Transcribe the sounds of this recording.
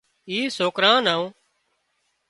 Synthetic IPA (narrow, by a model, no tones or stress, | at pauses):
iːsoːkɾãːnãːõː